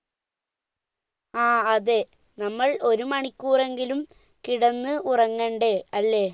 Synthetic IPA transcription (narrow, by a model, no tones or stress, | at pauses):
aːɐðe | nɐmːɐɭo̞ɾumɐɳikʲːuːre̞ŋɡilum | kiɽɐnːɨurɐŋːeɳɖeɐlːe̞